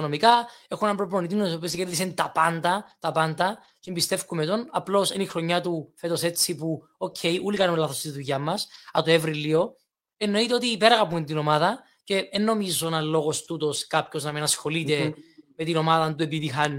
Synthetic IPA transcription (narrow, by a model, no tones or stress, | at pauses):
onomikɐe̞xunɐmpɾoplonit̪imnosopiozɐceɾðisent̪ɐpand̪ɐt̪ɐpɐnd̪ɐ | cmbist̪e̞fkumet̪o̞nɐplo̞senixɾo̞ɲːat̪ufe̞t̪o̞se̞t͡sːipu | ocʰe̞jʔulikɐnumelɐθost̪iðuʝɐmːɐsɐt̪oevɾilːio̞ | enːo̞it̪eo̞t̪iːpeɾɐɣɐpunt̪ino̞maðɐ | ce̞enːo̞mizːonɐlːo̞ɣo̞st̪ut̪o̞skapço̞znɐminɐsxo̞lit̪e̞me̞t̪ino̞maðɐnt̪ue̞piðixɐn